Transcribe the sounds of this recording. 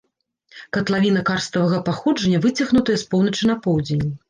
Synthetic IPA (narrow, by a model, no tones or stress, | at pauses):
kɐt̪lˠavʲin̪ɐkarst̪ɐvɐɣɐpaxɔd͡ʐɐnʲːɐvɨt͡sʲɐɣnut̪ɐjɐspɔwnɐt͡ʂɨnɐpɔwd͡zʲenʲi